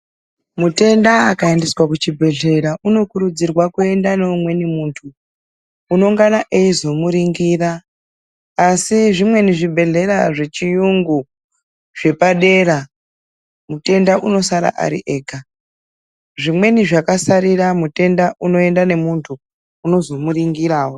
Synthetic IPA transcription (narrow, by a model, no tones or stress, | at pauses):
mute̞ndaakaendiswakut͡ʃibʱe̞ɮe̞ɾauno̞kuɾud͡zirwakue̞ndaneumwe̞nimuːntʰuː | no̞ŋɡanaʔeizo̞muɾiŋɡiraː | siʐimwe̞niʐibʱe̞ɮe̞ɾaʐe̞t͡ʃijuŋɡu | ʐe̞paɗe̞ɾa | mute̞ndaʔuno̞saɾa̰ʔa̰ɾḭʔe̞ːka | ʐimwe̞niʐakasaɾiɾamute̞ndaʔuno̞e̞ndane̞muntʰuː | no̞zo̞muɾiŋɡiɾaːwo